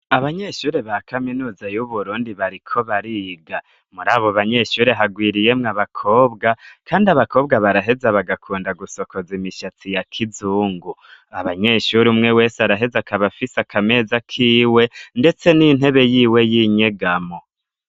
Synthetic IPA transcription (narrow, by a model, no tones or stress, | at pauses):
aβaɲe̞ʃuːɾeβakaminuːzajuβuɾuːndiβaɾikʰo̞βaɾiɡa | muɾaːβo̞βaɲe̞ʃuːɾeɦaɡwiːɾije̞mŋaβakʰo̞ːbɡakaːndiaβako̞ːb̚ɡaβaɾaɦe̞zaβaɡakʰuːndaɡuso̞ko̞zimiʃat͡sijakʰizuːŋɡuaβaɲe̞ʃuɾiumŋe̞we̞ːseaɾaɦe̞zakʰaβafisakame̞zakʰiːwe̞nde̞t͡se̞nin̥ɦe̞βe̞jiːwe̞jiɲe̞ɡamo